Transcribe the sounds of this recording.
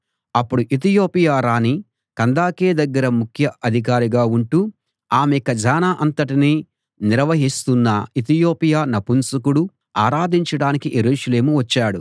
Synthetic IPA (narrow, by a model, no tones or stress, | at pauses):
ɐpːuɽuʔit̪̬ijo̞ːpijaːɾaːni | kɐnd̪aːkeːd̪ɐɡːɐɾɐmukʰjɐʔɐd̪ʱik̬aːɾiɡaːuɳʈu | aːmekɐd͡ʒaːnaːʔɐnt̪ɐʈiniː | niɾʋɐɦist̪unːɐit̪ijo̞ːpijaːnɐpunsɐkuɽu | aːɾaːd̪iɲt͡ʃɐɽaːnikijeɾuːʃɐle̞ːmuʋɐt͡ʃːaːɽu